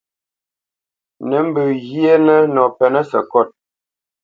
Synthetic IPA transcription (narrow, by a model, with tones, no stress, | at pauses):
nə˨˦m̩˦bə˨ɣi˦e˦nə˦nɔ˨pɛ˨nə˦sə˨kɔ˦˨t̚